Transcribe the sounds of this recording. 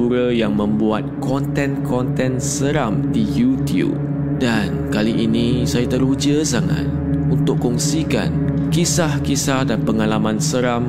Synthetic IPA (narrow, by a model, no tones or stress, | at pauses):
uɾəjaŋmə̃mbuat̪̚kɔnt̪ɛ̃nkɔnt̪ɛ̃nsəɾamdijut̪iṵp̚ | dankaliʔinĩsajat̪əɾud͡ʒəsaŋa̰t̪̚ | unt̪ʊkkːɔŋsika̰n | kisahkisahdanpəŋalamãnsəɾam